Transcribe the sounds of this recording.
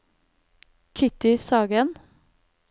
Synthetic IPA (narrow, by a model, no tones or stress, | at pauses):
kʰɪt̪ɪsɑːɡən